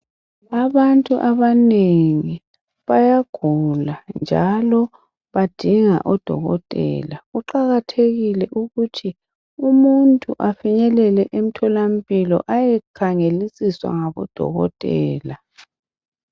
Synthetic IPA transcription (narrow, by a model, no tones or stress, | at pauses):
aβantʼuʔaβaneŋi | βajaɡ̥ʱuland͡ʒʱalɔ | βad̥ʱiŋa̰ʔɔd̥ʱɔ̰ɣɔ̰tʼɛ̰laɣuǃaɣatʰeɣilɛʔuɣutʰi | umuntʼṵʔafiɲɛlɛlɛʔem̩tʰɔlam̩pʼilɔ̰ʔajɛkʰaŋelisiswa̰ŋaβɔ̰d̥ʱɔ̰ɣɔ̰tʼɛːla